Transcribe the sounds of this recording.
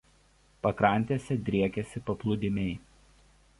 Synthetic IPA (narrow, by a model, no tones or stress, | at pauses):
pɐkɾɐˑnʲt̪ʲesʲɛd̪ʲɾʲiɛkʲɛsʲɪpɐplˠʊd̪ʲɪmʲɛɪ